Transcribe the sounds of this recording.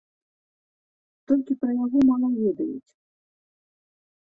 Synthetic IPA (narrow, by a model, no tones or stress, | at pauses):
t̪ɔlʲkʲipɾɐjaɣɔmamɐvʲɛd̪ɐjṵt͡sʲ